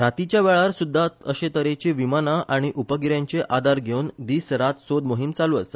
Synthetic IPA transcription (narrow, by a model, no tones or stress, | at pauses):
ɾat̪it͡ɕjaʋɛɭaɾsud̪ʱːat̪əɕẽt̪əɾet͡ɕiʋimanaʔaɽ̃iʔupəɡiɾjãɲt͡ɕeʔad̪aɾɡʱeund̪iːsɾat̪sod̪moɦimt͡saluːəsə